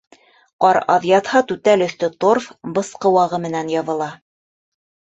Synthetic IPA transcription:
qɑɾɑ̰ðjɑt̪hɑt̪ʉt̪ælɵ̆θt̪ɵt̪orfbɤ̆sqɤwɑʁɤmɘ̆nænjɑvɤ̆lˠɑ

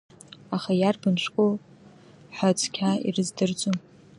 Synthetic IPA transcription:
aχajarbɨnʂʷkʼo | ħʷat͡sʰʼkʲʰaḭrɨzdɨrd͡zʷʼum

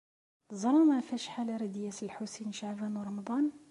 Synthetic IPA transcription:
zˤɑɾˤɑmæfæʃħalæɾæd̪jæsəlħusinʃaʕbænwɾˤɑmɑd̪ˤɑn

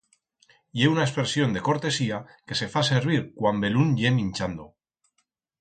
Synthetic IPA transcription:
jeunaespeɾsjo̞nd̪e̞ko̞ɾt̪e̞siake̞se̞fase̞ɾβ̞iɾkwambe̞lunʎe̞mĩnʲt͡ʃand̪o

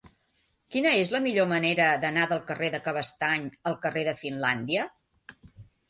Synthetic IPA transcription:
kinəezləmiʎoməneɾəðənaðəlˠkəreðəkəβ̞əst̪aɲəlˠkəreðəfinland̪iə

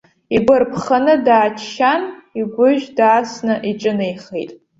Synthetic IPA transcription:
iɡʷarpʰχanɨdaːt͡ʃʰʃaniɡʷʊʒᶣdaːsnɨʔiʈ͡ʂʼɨnejχḛtʼ

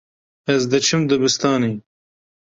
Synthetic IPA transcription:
ɐzd̪ɐt͡ʃʰimd̪ɐbist̪aːni

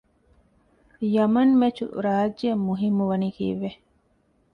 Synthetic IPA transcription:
jɐmɐnmet͡ʃṵɾaːd͡ʒemːuɦimːuʋɐnikḭːʋe

